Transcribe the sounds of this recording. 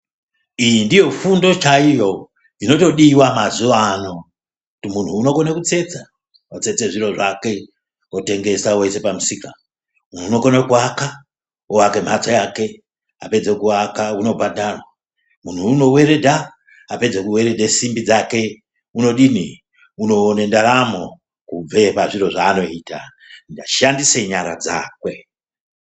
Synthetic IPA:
ijindijo̞fundo̞t͡ʃaijo̞ | ndino̞to̞ɗiwamazuʋano̞ | kutimun̤uːno̞konekut͡se̞t͡sa | ot͡se̞t͡se̞ʐiɾo̞ʐake̞ | ote̞ŋɡe̞sawoise̞pamusika | mun̤uːnokonakuaka | owake̞m̤at͡sojake̞ | ape̞d͡zekuakauno̞bʱadʱarwa | mun̤uːno̞we̞ɾe̞dʱaː | pe̞d͡zekuwe̞ɾe̞dʱesimbid͡zake̞ | uno̞ɗini | uno̞ːne̞ndaɾamo̞ | kub͡ve̞paʐiɾo̞ʐaːno̞iːta | ndaʃandise̞ɲaɾa̰d͡za̰ːkwe̞

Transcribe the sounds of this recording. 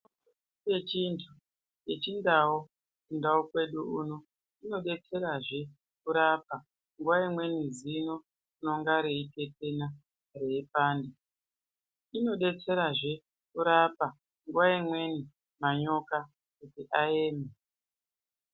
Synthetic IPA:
et͡ʃintʰu | je̞t͡ʃindao | kundaokwe̞ɗuuːno | ino̞ɗe̞t͡se̞ɾaʐe̞ | kuɾapa | ŋɡuwaimwe̞nizino̞ | uno̞ŋɡaɾe̞ite̞te̞na | re̞ipaːnde | ino̞ɗe̞t͡se̞ɾaʐe̞ | kuɾapa | ŋɡwaimwe̞ni | maɲo̞ka | kutiʔaeːme

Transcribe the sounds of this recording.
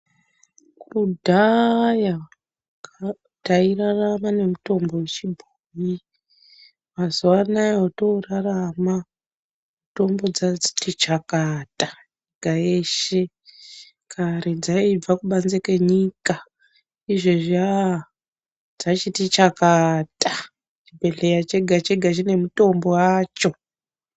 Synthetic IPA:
kʰudʱaja | tairaramane̞muto̞mbo̞ut͡ʃibʱuji | mazuwanajoto̞rarama | uto̞mbo̞d͡zai̥tit͡ʃakata | eɡʱaeʃe | kʰaɾed͡zaib͡vakuɓanzeke̞ɲika | iʐeʐa | d͡zat͡ʃitit͡ʃakata | t͡ʃibʱe̞ɮejat͡ʃe̞ɡʱat͡ʃeɡʱat͡ʃine̞muto̞mbo̞waːt͡ʃo̞

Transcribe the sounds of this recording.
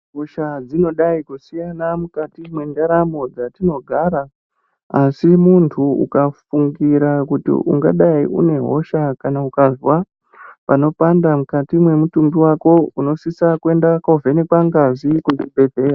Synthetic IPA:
ɦoʃad͡zino̞ɗaikusijanamukatimwendaɾamo̞d͡zatino̞ɡʱaɾa | asimuntʰuṵkafuŋɡiɾakutḭʔṵŋɡaɗaiʔṵne̞ɦo̞̰ʃakanaukazwa | pano̞pandamukatimwe̞mutumbiwako̞uno̞sisakuwe̞ndakovʱenekwaŋɡazikut͡ʃibʱe̞dʱe̞ra

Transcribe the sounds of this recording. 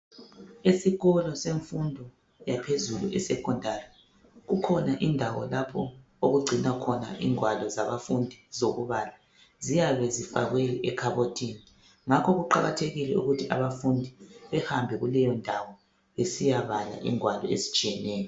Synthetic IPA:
esiɣɔlɔseɱfundʱɔ | japʰezulṵʔɛsɛkʰɔndʱari | ɣukʰɔnaʔindʱawɔ̰lapʰɔ | oɣuɡ͡ǀʱinakʰɔna̰ʔiŋwalɔzaβafundʱizoɣuβala | zijaβɛzifaɣwejiʔɛkʰaβotʰini | ŋakʰɔɣuǃaɣa̰tʰeɣilɛṵɣutʰiʔa̰βafundʱiβɛhambʱɛɣulɛjɔndʱawɔ | βesijaβala̰ʔḭŋʱwalɔ̰ḛzit͡ʃʼijɛnɛːjɔ

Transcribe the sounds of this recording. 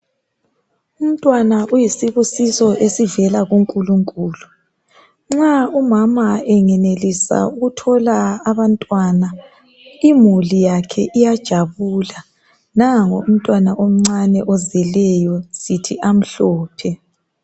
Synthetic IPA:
um̩tʼwanaʔujisiβusisɔʔesivɛlaɣuŋkʼuluŋkʼuːlu | ŋ͡ǁaumamaɛŋɛnelisa̰uɣutʰɔlaːβantʼwana | imulijakʰɛ̰ʔijad̥ʒ̥ʱaβuːla | naŋoum̩tʼwanaʔom̩ŋ͡ǀanɛʔɔzɛlɛjɔsitʰiʔam̩ɬɔːpʰɛ

